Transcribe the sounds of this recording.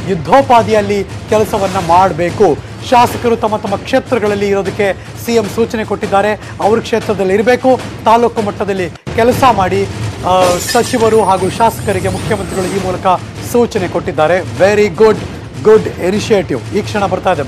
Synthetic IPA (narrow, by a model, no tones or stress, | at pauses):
jud̪ʱːoːpaːd̪ijɐlːikɛlɐsɐʋɐnːɐmaːɽbe̞ːku | ʃaːsɐ̥kɐɾut̪ɐmːɐt̪ɐmːɐkʂeːt̪ɾɐɡɐɭɐlːiːɾo̞ːd̪ɐkːe̞ | sijemsuːt͡ʃɐne̞ko̞ʈːid̪ːaːɾe̞ | ɐʋɐɾukʂe̞ːt̪ɾɐd̪ɐlːiɾbe̞ːkut̪aːluːkɐmɐʈːɐd̪ɐlːikɛlɐsɐmaːɽi | sɐt͡ʃiʋɐɾuɦaːɡuːʃaːsɐ̥kɐɾiɡe̞mukʰjɐmɐnt̪ɾiɡɐɭuiːmuːlɐkɐ | suːt͡ʃɐne̞ko̞ʈːid̪ːaːɾe̞ʋeɾiɡuɖ | ɡuɖeniʃeːʈiʋiːkʂɐɳɐbɐɾt̪aːid̪e